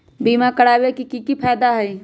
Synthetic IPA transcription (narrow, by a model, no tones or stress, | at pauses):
biːmakəɽaːwekikikipʰɛːd̪aɦɛi